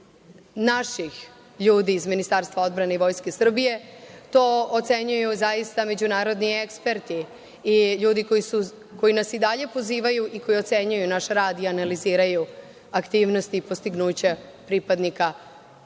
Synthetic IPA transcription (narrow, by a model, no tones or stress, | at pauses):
naʃix | ʎuːd̪iːzminist̪aɾst̪ʋao̞d̪bɾane̞iʋo̞jske̞sr̩bije̞t̪o̞ːot̪se̞ɲujuzajist̪ame̞d͡ʑunaːɾo̞d̪niekspe̞ɾt̪iː | ʎuːd̪iko̞jisu | ko̞jinasid̪aʎe̞po̞ziːʋajuʔiko̞jio̞t̪se̞ɲujunaʃɾaːd̪ianaliziːɾaju | akt̪iːʋno̞st̪iːpo̞st̪iɡnuːt͡ɕepɾipad̪nika